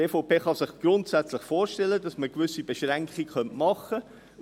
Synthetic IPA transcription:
eːfopeːχɑsɪχɡ̥rʊntsæt͡slɪχfoːɾʃtɛlədɑsməkvʏsib̥ɛʃʁɛŋkχikχœntmɑχə

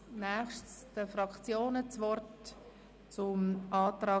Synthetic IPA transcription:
nɛχʃtsd̥əfɾɑkt͡sjoːnət͡svɔrt | t͡sʊmʔɑːtrɑː

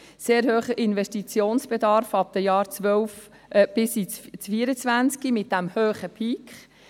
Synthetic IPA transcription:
seːɾhøːχəʔɪnvɛstit͡sjoːnsb̥ed̪ɑɾfɑp̚d̥̪əjɑːɾt͡sʋœwf | b̥ɪsit͡st͡sfiəɾət͡sʋænt͡skimɪt̚d̥æmhøːχəpʰikχ

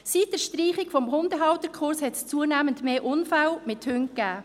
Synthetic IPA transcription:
sit̚d̥ɛːʃtriːχɪkfɔmɦʊndəɦɑwtəɾkʰχʊɾshɛtst͡suənæːməntmeːʔʊnfalmɪthʏŋkæː

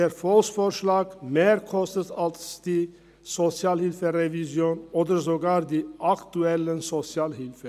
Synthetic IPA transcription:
əɾfɔlsfɔɾʂlɑːɡ̥meːɾkʰɔst̪ət̪ɑlt̪sd̪̥iː | sɔsɪɑːlhɪlfəɾɛʋɪsjuːnɔd̪əɾsɔɡɑːɾd̪iʔɑkt̪ʉɛlːəsɔsɪɑːlhɪlfə

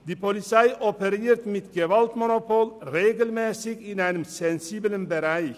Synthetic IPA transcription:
d̪iːpʰʊlɪsæɪʔɔpəɾeːɾt̪mɪt̪ɡəʋɑlt̪mʊnʊpʰuːlɾeːɡəlmɛsɪɡɪnæɪnmsɛnsiːblənbəɾæɪ

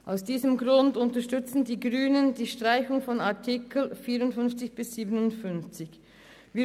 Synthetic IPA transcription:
ʔaʊsd̥iːzəmɡʁʊndʊntɐʃtʏt͡sn̩diːɡʁyːnəndiːʃtʁ̥aɪçʊŋfɔnaɐtʰikl̩fiːɾʊntfʏnft͡sɪçb̥ɪsz̥iːbənʊntfʏnft͡sɪç | viː

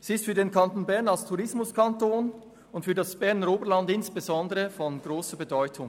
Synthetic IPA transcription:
siɪstfyːɐdeːnkʰantoːnbɛɐnalstʰuʁɪsmʊskʰantoːn | ʊntfyːɐdasb̥ɛɐnəɾoːbəlɑndɪnsb̥ezɔndəʁəfɔnɡʁoːsəbedɔʏtʰʊŋ

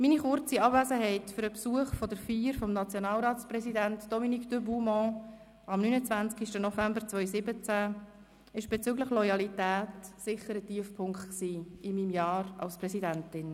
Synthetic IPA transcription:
miniχʊɾt͡siɑbvæːzəɦɛɪtfʏɾəpsuəχfɔdəɾfiːɾfɔmnɑt͡sjɔnɑːlɾɑːsprɛsidæntd̥ɔminikd̥øbumɔ̃ | ɑmnyːnət͡svænt͡skiʃtənɔfæmbəɾt͡svœʏsɪbət͡sæ | ɪʃb̥et͡sʏɡləχlɔjɑlitæːtsɪχːəɾətiəfpʰʊŋktksiːɪmimjɑːɾɑ̰lsprɛsidæntɪn

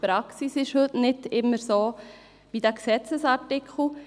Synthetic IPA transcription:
pɾɑksisɪʃhɵtnɪtɪmːəɾsoː | ʋidæːksɛt͡səsɑɾtɪkʰl̩

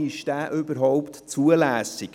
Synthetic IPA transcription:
ɪʃd̥æːʔʏbəɾɦɔʊpt̪t͡suəlæːsɪk

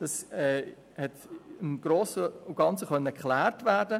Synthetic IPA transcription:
d̥ɑsɛː | hɛtɪmɡ̥roːsəuɡ̥ɑnt͡səχœnːəkχlæːɾtvæːɾdə

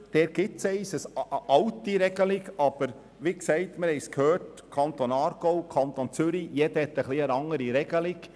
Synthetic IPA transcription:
d̪̥ɛːɾɡ̥ɪsɛɪsəsʔɑwtiɾɛɡəlɪɡɑb̥əɾ | ʋiksɛɪtmɪɾhɛɪskʰhøːrt | kʰɑnt̪onɑːɾɡ̥oʊkʰɑnt̪ont͡sʏɾijɛdəhɛt̪ːəχliənɑŋəɾiɾɛɡəlɪɡ̥

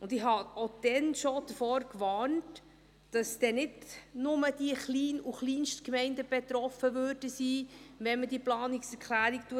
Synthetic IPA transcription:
ʊndɪhɑod̥ɛnʃod̥əfɔːɾkʋɑːnt | d̥ɑsd̥ɛnɪdnʊməd̥iəχliːnuχliːnʃtkmɛɪndəb̥ɛt̪ɾɔfəʋøːɾd̥əsiːʋɛnmədiːplɑːniksɛɾkʰlæːɾiktuə

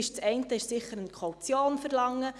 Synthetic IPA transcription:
ɪʃt͡sɛɪntəɪʃsɪχəɾənkʰɔwt͡sjoːnfəɾlɑŋːə

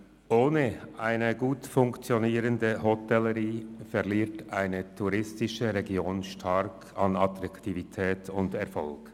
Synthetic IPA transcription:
ʔoːnəʔaɪnəɡuːtfʊŋkt͡sjoniːɾəndəɦɔtɛləʁiːfɛʁliːɐtʔaɪnətʰuʁɪstɪʃəʁɛɡjoːnʃtʰɑɾkʰ | ɑnɑtɾɑktivitʰɛːtʊndɛʁfɔ̰lk

